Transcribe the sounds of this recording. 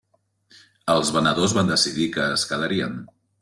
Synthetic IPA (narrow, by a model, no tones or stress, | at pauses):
əlˠzβənəðozβand̪əsiðikəːskəðəɾiən